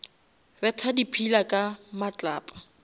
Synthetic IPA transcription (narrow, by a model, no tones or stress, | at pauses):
bɛtʰadipʰilakʼamat͡ɬʼaːpʼḁ